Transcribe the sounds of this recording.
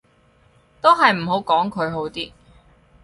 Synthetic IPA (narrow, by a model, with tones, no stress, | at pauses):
t̪o˥wɦɐ˨jm̩˨˩ɦo˨˧˥wkɔː˨˥ŋkʰɵ˨˧ɥɦo˨˥wt̪iː˥